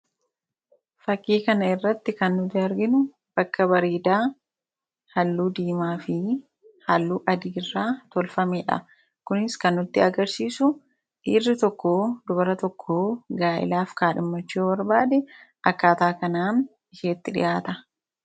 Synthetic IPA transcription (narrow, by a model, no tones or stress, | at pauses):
fɐkːiːkɐnɐɪrːɐt̪ːɪkɐnːʊd̪ɪɐɾɡɪnʊ | b̥ɐkːɐbɐɾiːd̪aː | hɐlːuːd̪iːmaːfɪ | hɐlːuːʔɐd̪iːɪrːaːt̪ɔlfɐmeːᶑɐ̰ | kʊnɪskɐnːʊt̪ːɪɐɡɐɾsiːsʊ | ᶑiːrːɪt̪ɔkːoːd̪ʊbɐɾɐt̪ɔkʰːoːɡaːʔɪ̰laːfkaːᶑɪmːɐt͡ʃːoːwɐɾbaːd̪ɛ | ʔɐkːaːt̪aːkɐnaːn | ɪʃeːt̪ːɪᶑɪ̰jʔaːt̪ɐ